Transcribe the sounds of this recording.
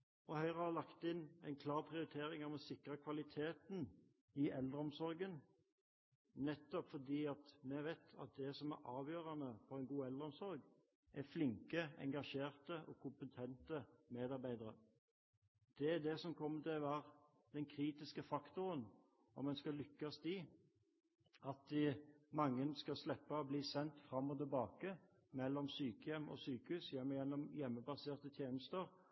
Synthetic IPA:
ɔhœʏʁəhɑlɑkt̪ɪnɛ̰ɪnkʰlɑːɾpʰʁɪʊɾɪt̪ʰeːɾɪŋɑʋɔsɪkʁəkʰʋɑlɪt̪ʰeːt̪n̩ | ɪʔɛld̪ʁəɔmsɔɾɡən | nɛt̪ːɔpfɔd̪iːɑt̪mɛʋeːt̪ʰɑ̰t̪̚d̪ɛsɔmæ̰ɾɑːʋjøːɾɑnəpɔɛɪnɡuːɛld̪əʁɔmsɔɾɡ | ʔæflɪŋkəɛ̰ŋɡɑʃeːʁt̪əʔɔ̰ːkʰʊmpət̪ʰɛnt̪əmeːd̪ɑɾbæɪd̪əɾə̰ | d̪̥ɛd̪ɛsɔmkʰɔmːət̪ʰɪlʋɑʁ | d̪̥ɛnkʰɾiːt̪ɪskəfɑkt̪ʊɾən | ɔ̰mɛnskɑlʏkːɑst̪ɪː | ɑt̪̚d̪ɪmɑŋːənskɑslɛpːɑɔbliːsɛnt̪fʁɑmːɔt̪ɪlbɑːkə | mɛlːɔmsyːkəjɛmːɔ̰syːkəʉːsjɛmːjɛnːɔmjɛmːəbɑseːʁt̪ət̪ʰjeːnəst̪əʁ

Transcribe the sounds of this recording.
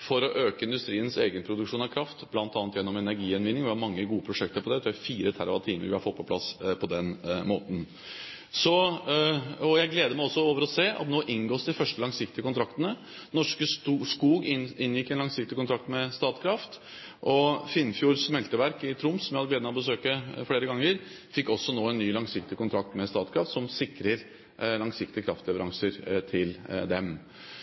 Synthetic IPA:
fɔɾɔʔøːkəɪnd̪ʉst̪ɾiːənseːɡənpʰɾʊd̪ʉkʂuːnɑkʰɾɑft̪blɑnt̪ɑːnt̪jɛnːɔmɛnæɾɡiːɛnʋɪnːɪŋʋɪhɑɾmɑŋːəɡuːəpʰɾʊʂɛk̚t̪əɾpɔd̪ɛt̪ɾʉːæfiːɾət̪ʰæ̰ɾɑ̰ʋɑ̰t̪ʰiːmə̰ɾʋɪhɑɾfɔt̪̚pʰɔpʰlɑ̰spʰɔd̪ɛnmo̰ːt̪n̩ | sɔ | ɔjæɪɡleːd̪əmæɪɔsːɔoːʋəɾɔseːʔɑ̰t̪noːʔɪnɡoːsd̪ɪfœʂʈəlɑŋsɪkt̪ɪəkʰʊnt̪ʰɾɑkt̪ənə | nɔʂkəskuːɡɪnːjɪkːɛnlɑŋsɪk̚t̪ɪkʊnt̪ʰɾɑkt̪mɛst̪ɑːt̪kʰɾɑft̪ | ʔɔfɪnːfjuːɾsmɛlt̪əʋæɾkɪt̪ʰɾʊmsɔmjæhɑd̪əɡleːd̪əmæɪɔbəsøːkəfɽeːɾəɡɑŋːəɾ | fɪkːɔsːɔnoːɛnːyːlɑŋsɪkt̪ɪkʊnt̪ʰɾɑkt̪mɛst̪ɑːt̪kʰɾɑft̪sɔmsɪkɾəɾ | lɑŋsɪk̚t̪ɪəkʰɾɑ̰ft̪lɛʋəɾʔɑŋsəɾt̪ʰɪld̪ɛm

